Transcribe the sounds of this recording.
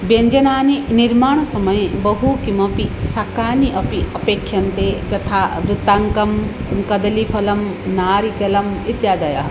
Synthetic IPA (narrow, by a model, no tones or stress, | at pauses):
bjɐɲd͡ʒɐnaːniniɾmaːɳ̃ɐsɐmɐjbɐɦukimɐpisakaːniʔɐpiɐpeːkʰjɐnt̪ed͡ʒɐt̪ʰaːʋɾɪt̪aŋkɐm | kɐd̪ɐlipʰɐlɐmnaːɾikɐlɐmit̪jaːd̪ɐjɐ